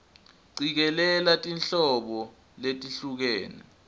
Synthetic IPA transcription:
ǀik̬ɛlɛlatʼinɬɔɓɔ | letʼiɬuk̬eːnɛ

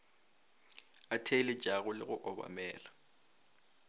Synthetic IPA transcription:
atʰelɪ̥d͡ʒ̥ʱʼaɣʊlɪɣʊʔɔba̰mɛːla

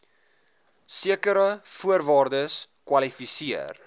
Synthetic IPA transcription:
siəkəɾəfuəɾvɑːrdəs | kwɐlifisiə̰r

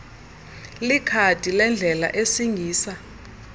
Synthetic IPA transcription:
likʰatʼilɛnd͡ɮʱɛla̰ʔesiŋʱiːsa

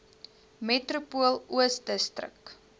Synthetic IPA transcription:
metrupuəlˠuəsdəstrə̰k

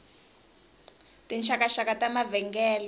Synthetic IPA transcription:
tint͡ʃʰakaʃakatamavɛŋɡɛːlɔ

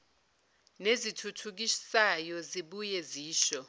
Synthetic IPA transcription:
nezitʰutʰuk̬isajɔziɓujeziːʃɔ

